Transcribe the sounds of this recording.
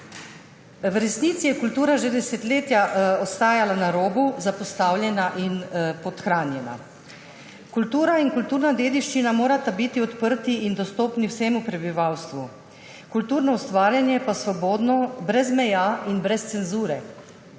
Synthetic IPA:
wɾɛsniːt̪sijɛkult̪uːɾaʒed̪ɛset̪leːt̪jaɔst̪aːjalanaɾoːbuzapɔst̪aːwljɛnaʔinpɔt̪xɾaːnjɛna̰ | kult̪uːɾainkult̪uːɾnad̪eːd̪iʃt͡ʃinamoːɾat̪abit̪iɔt̪pəɾt̪iind̪ɔst̪oːpniwseːmupɾɛbiʋawst̪ʋu | kult̪uːɾnɔust̪ʋaːɾjanjɛpasʋɔboːd̪nɔbɾɛzmɛjaːinbɾɛst̪sɛnzuːɾɛ

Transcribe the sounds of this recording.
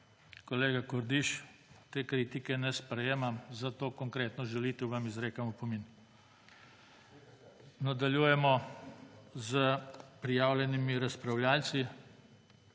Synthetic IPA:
kɔleːɡakɔɾd̪iʃt̪eːkɾiːt̪ikɛnɛspɾɛjeːmamzat̪oːkɔŋkɾeːt̪nɔʒɛliːt̪ɛuʋamizɾeːkamupɔmiːn | nad̪aljuːjɛmɔ | zəpɾijaːwlʲjɛnimiɾaspɾawlʲjaːlsi

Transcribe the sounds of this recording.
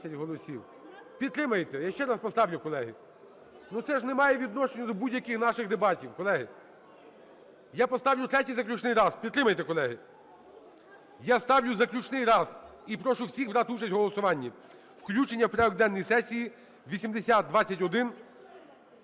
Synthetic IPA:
ɐtʲɦɔlˠɔsʲiw | pʲid̪̚t̪ɾɪmɐjt̪ɛjaʃt͡ʃɛɾɑspɔst̪ɑwlʲʊkɔlˠɛɦɪ | nut̪sɛʒnemɑjɛʋʲid̪nɔʃenʲːʊd̪ɔbudʲjɐkɪxnɑʃɪxd̪ebɑtʲiwkɔlˠɛɦɪ | japɔst̪ɑwlʲʊt̪ɾɛtʲijzɐklʲʊt͡ʃnɪjɾɑzpʲid̪t̪ːɾɪmɐjt̪ekɔlˠɛɦɪ | jast̪ɑwlʲʊzɐklʲʊt͡ʃnɪjɾɑzipɾɔʃʊwsʲixbɾɑt̪ɪut͡ʃɐsʲtʲɦɔlˠɔsʊʋɑnʲːi | wklʲut͡ʃenʲːɐwpɾɛɔɡd̪ɛnːijisɛsʲiji | ʋʲisʲimd̪esʲat̪̚d̪ʋɑt͡sʲːɐtʲɔd̪ɪn

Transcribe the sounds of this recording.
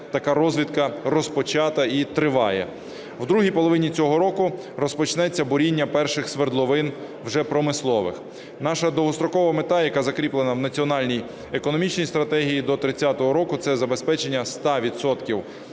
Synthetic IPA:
t̪ɐkɑɾɔzʋʲit̪kɐrɔspɔt͡ʃɑt̪ɐit̪ɾɪʋɑjɛ̰ | wd̪ɾuɦijpɔlˠɔʋɪnʲit͡sʲɔɦɔɾɔkʊ | rɔspɔt͡ʃnɛt͡sʲːɐbʊɾʲinʲːɐpɛrʃɪxsʋerd̪lˠɔʋɪn | wʒɛpɾɔmɪslˠɔʋɪ̰x | nɑʃɐd̪ɔʋɔst̪ɾɔkɔʋɐmet̪ɑjɐkɑzɐkɾʲiplˠenɐwnɐt͡sʲiɔnɑlʲnʲij | ekɔnɔmʲit͡ʃnʲijst̪ɾɐt̪ɛɦijid̪ɔt̪ɾɪt͡sʲːat̪ɔɦɔɾɔkʊt̪sɛzɐbe̞spɛt͡ʃe̞nʲːɐst̪ɑʋʲid̪sɔt̪kʲiw

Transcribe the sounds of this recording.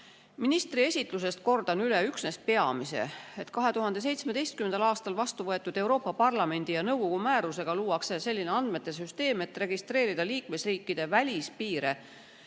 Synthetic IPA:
minist̪rie̞sʲit̪ˑlus̬e̞st̪̚ko̞rd̪̥ɑnyleyksne̞spe̞ɑmise̞̰et̪kɑɦe̞t̪uɦɑnd̪̥e̞s̬e̞jt̪sme̞d̪̥e̞jst̪kymend̪ɑlɑːst̪ɑlvɑst̪uvɤe̞t̪ːˑud̪̥e̞wɾo̞ːpːˑɑpɑrlɑme̞nʲd̪̥ijɑnɤwɡo̞ɡ̥umæːɾuse̞ɡ̥ɑluːwɑksese̞lʲːineɑnd̪me̞t̪ːˑe̞s̬yst̪e̞ːme̞t̪ːˑre̞ɡist̪re̞ːɾid̪ɑliːkme̞sriːkːˑid̪̥e̞vælʲispiːɾe̞

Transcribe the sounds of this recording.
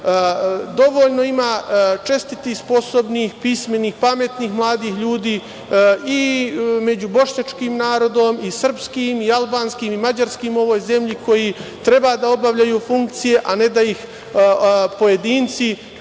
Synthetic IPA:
d̪o̞ʋoʎno̞imaːt͡ʃest̪it̪ispo̞sobnixpisme̞niːxpame̞t̪niːxmlˠaːd̪iːxʎuːd̪iː | ime̞d͡ʑubo̞ʃɲat͡ʃkiːmnaːɾo̞d̪o̞misr̩pskiːmialˠbaːnskiːmimad͡ʑaɾskiːmo̞ʋo̞ːjze̞mʎiko̞jit̪ɾe̞baːd̪ao̞baʋʎajuːfuŋk̚t̪sije̞ʔane̞d̪aix | po̞je̞d̪iːnt̪si

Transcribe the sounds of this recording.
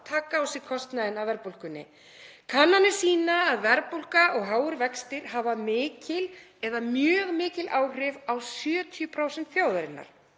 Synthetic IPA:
t̪ʰaːkːaːwsɪkʰɔst̪naðɪnawvɛɾpul̥kʏnːɪ̰ | kʰanːanɪ̥siːnaːðvɛɾpul̥kaʔɔɣɦaːwʏɾvɛkst̪ɪɾɦaːvamɪːcɪlɛðamjœːɣmɪːcɪlʔaːwr̥ɪvawsjœːt̪ʰjʏpʰɾaːwsɛnt̪θjaːwðaɾɪnːa̰ɾ̥

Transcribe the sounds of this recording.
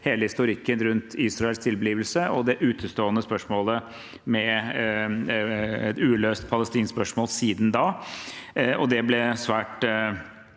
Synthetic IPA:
heːləhɪst̪ʊɾɪkːənɾʉnt̪ʰiːsɾɑɛlst̪ʰɪlbəliːʋəlsəɔd̪ɛʔʉːt̪ʰəst̪oːənəspœʂmoːlə | mɛ | ɛt̪ʉːløːst̪pʰɑləst̪iːnspœʂmoːlsiːd̪nd̪ɑː | ɔd̪ɛblɛsʋæːʈ

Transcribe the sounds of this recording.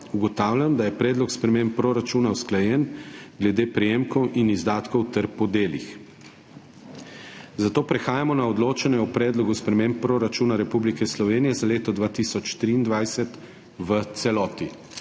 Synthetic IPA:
uɡɔt̪aːwlʲjamd̪ajɛpɾɛːd̪lɔkspɾɛmempːɾoɾat͡ʃuːnawsklajɛnɡlɛd̪eːpɾɛjemkɔwʔinizd̪aːt̪kɔwt̪ɛɾpɔd̪eːlḭx | zat̪oːpɾɛxaːjamɔnaɔd̪loːt͡ʃɛnɛɔpɾɛːd̪lɔɡuspɾɛmempːɾoɾat͡ʃuːnaɾɛpublikɛslɔʋeːnijɛzaleːt̪ɔd̪ʋaːt̪isɔt͡ʃt̪ɾiːnd̪ʋajsɛt̪ | ʋət̪sɛlɔːt̪i

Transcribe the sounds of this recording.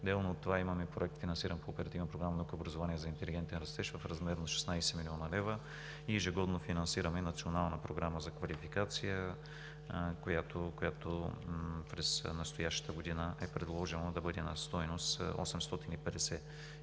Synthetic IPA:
d̪ɛlˠnoːt̪ːovaimɐmɛpɾoɛk̚t̪finɐnsiɾənpoːpɛɾɐt̪ivnəpɾoɡɾamɐnokoːbɾɐzovaniɛzɐint̪ɛliɡɛnt̪ɛnɾɐst̪ɛʃvɐfɾɐzmɛɾnɐʃɛ̥snajsɛmilʲiɔnɐlɛvɾə | iːʒɛɡɔd̪nofinɐnsiɾəmɛnɐt̪sionalˠnəpɾoɡɾaməzɐkvɐlifikat̪sijə | kojat̪okojat̪o | pɾɛsnɐst̪ojaʃə̥t̪əɡod̪inəʔɛpɾɛd̪lˠɔʒɛnlˠəd̪ɐbɤd̪ɛnɐ̰st̪ɔjnosɔ̰sɛmst̪ɔt̪inipɛd̪ɛsɛ

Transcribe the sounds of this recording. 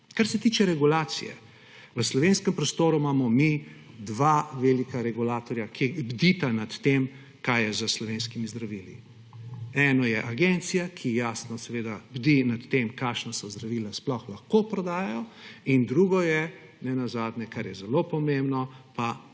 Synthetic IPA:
kaɾsɛt̪iːt͡ʃɛɾɛɡulaːt̪sḭjɛ̰ | ʋəslɔʋenskɛmpɾɔst̪oːɾumaːmɔmid̪ʋaʋelikaɾɛɡulaːt̪ɔɾjakʰibd̪it̪anat̪ːem | kajjɛzəslɔʋenskimizd̪ɾaʋiːlḭ | ɛnɔjɛʔaɡent̪sijakʰijaːsnɔsɛʋeːd̪abd̪inat̪ːemkaʃnasɔzd̪ɾaʋiːlasplɔxlaxkopɾɔd̪aːjajɔind̪ɾuɡɔjɛnɛnazaːd̪ɲɛkaɾjɛzɛlopɔmembnɔpa

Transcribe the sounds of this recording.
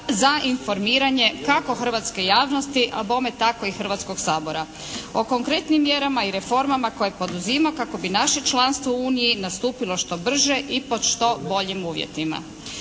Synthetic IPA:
zainfo̞ɾmiːɾaɲe̞kako̞xr̩ʋat̪ske̞jaːʋno̞st̪iʔabo̞met̪ako̞ixr̩ʋat̪sko̞ɡsaːbo̞ɾa | o̞ko̞ŋkɾe̞t̪nimːjeɾamaiɾe̞fo̞ɾmamako̞je̞po̞d̪uzimakako̞binaʃe̞t͡ʃlanst̪ʋouːnijinast̪uːpilo̞ʃt̪o̞br̩ʒeʔipo̞d̪ʃt̪o̞bo̞ʎimuːʋjḛt̪ima̰

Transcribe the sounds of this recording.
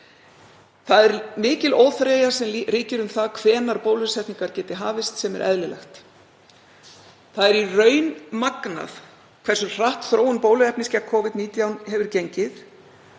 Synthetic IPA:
θaðɛɾmɪːcɪloːwθɾeːjḁsɛmriːcɪɾʏmθaðkʰvɛːnaɾpoːwlvɪsɛht̪niŋkaɾ̥cɛːt̪ɪɦaːvɪst̪sɛmɛ̰ɾʔɛ̰ðlɪlɛ̰xt̪ | θaðɛɾirœːɥnmakna̰θ | kʰv̥ɛrsʏr̥aht̪θɾoːwʏnpoːwlʏɛpnɪscakʰɔːvɪt̪niːt̪jawnhɛvʏɾcejɲcɪθ

